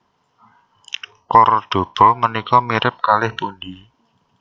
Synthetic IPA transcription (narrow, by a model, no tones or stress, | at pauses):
kɔrɖd̥o̤b̥ɔmənikɔmiɾʔɪp̚kalɪhpundi